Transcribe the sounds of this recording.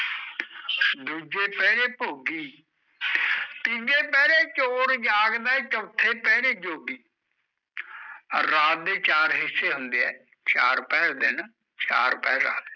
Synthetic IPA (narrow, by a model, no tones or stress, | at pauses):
d̪uːd͡ʒeːpɛːɾeːpoːɡiː | pĩːɡeːpɛːɽeːt͡ʃoːɾd͡ʒaːɡd̪aːt͡ʃəʋt̪ʰːeːpɛːɽeːd͡ʒoːbiː | ɾaːt̪̚d̪eːt͡ʃaːɾɦɪsːeːɦʊnd̪eːɛː | t͡ʃa̰ːɾpɛːɾd̪ɪn | t͡ʃa̰ːɾpɛːɾa̰ːd̪